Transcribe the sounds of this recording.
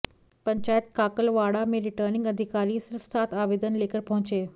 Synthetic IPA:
pɐ̃ɲt͡ɕaːjət̪̚kaːkəlʋaːɽamẽɾɪʈəɾnɪ̃ŋɡɐd̪ʱɪkaːɾisɪɾfsaːt̪ʰaːʋeːd̪ənleːkəɾpɐɦʊ̃t͡ɕeː

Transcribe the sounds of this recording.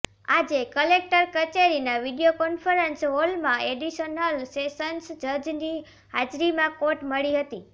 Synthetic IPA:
ad͡ʒekəlek̚ʈəɾkət͡ʃeɾinaʋiɖijokɔnfəɾənsɦolmãeɖiʃənəlseʃənsd͡ʒəd͡ʒni | had͡ʒɾimãkoʈməɭiɦət̪i

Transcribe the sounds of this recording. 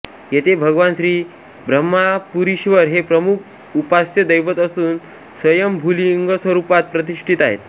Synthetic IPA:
jet̪ʰebʱəɡʋanɕɾiː | bɾəmːapuɾiɕʋəɾɦepɾəmuk̚ʰ | upastəd̪əjʋət̪əsuːn | sʋəjəmbʱuliŋɡəsʋəɾupat̪̚pɾət̪̬iʂʈʰit̪aɦḛt̪

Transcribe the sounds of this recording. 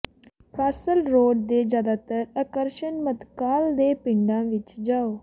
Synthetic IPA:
kʰaːsəlɾoːɖ̚d̪eːd͡ʒjaːd̪aːt̪əɾəkəɾʃənmət̪kaːld̪eːpɪɳɖãːʋɪt͡ʃd͡ʒaːoː

